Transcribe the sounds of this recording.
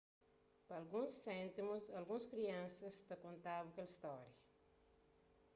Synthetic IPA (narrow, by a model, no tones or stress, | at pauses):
pɐlɡũsːẽnt̪imusɐlɡũskɾiɐ̃nsɐst̪ɐkõnt̪abɐkelist̪ɔɾjɐ